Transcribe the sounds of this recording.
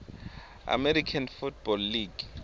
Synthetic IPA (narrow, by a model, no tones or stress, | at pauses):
a̰mɛɾikʰanfut̚bɔlːiɡ